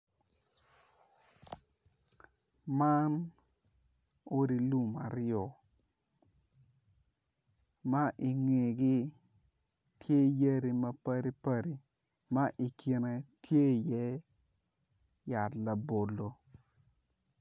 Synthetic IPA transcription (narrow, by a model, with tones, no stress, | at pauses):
ma˦n | o˦di˨lu˦ma˨ɾɔ˨ | ma˦ʔi˨ŋe˨ɡɪ˦ | tje˦jə˦ɾi˦mɐ˦pa˦ɾi˦pa˦˨ɾi˨ | ma˦ʔi˨ki˨ne˨tje˦˨jɛ˦ | ja˨tla˨bo˨lo˨